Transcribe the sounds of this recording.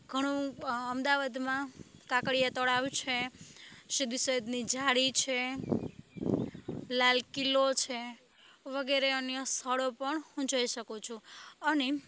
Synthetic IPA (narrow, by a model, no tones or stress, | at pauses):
ɡʱəɽ̃ũəmd̪aʋad̪mãkãkɽijat̪ɔɽaʋt͡ʃʰe | ʃid̪isəed̪nid͡ʒʱaɽit͡ʃʰe | lalkilot͡ʃʰe | ʋəɡɛɾeənjəst̪ʰəɽopəɳhũd͡ʒəiʃəkũt͡ʃʰũəne